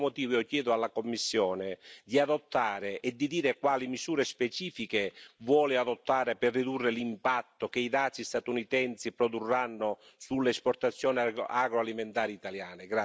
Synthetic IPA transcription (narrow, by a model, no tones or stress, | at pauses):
mot̪iːvjɔkjɛːðʊalːakomːisːjɔːnɪd̪iaðɔt̪ːaːɾɪʔɛd̪ːid̪iːɾekwaːlimisuːɾespɛt͡ʃiːfikevwɔːlɪaðot̪ːaːɾɪpɛrːid̪urːɪlimpat̪ːokeiðaːt̪sist̪at̪unit̪ɛnsipɾɔd̪urːanːʊ | sulːeɛspɔrt̪at̪sːjɔːnɪaɡɾoaliment̪aːɾiit̪aljaːnɪɡɾa